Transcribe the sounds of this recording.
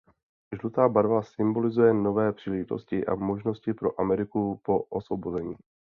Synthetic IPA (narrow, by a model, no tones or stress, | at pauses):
ʒlut̪aːbaɾvasɪmbo̞lɪzujɛno̞vɛːpr̥iːlɛʒɪt̪o̞̰scɪʔa̰mo̞ʒno̞scɪpɾo̞ʔamɛɾɪkupo̞ʔosvobo̞zɛɲiː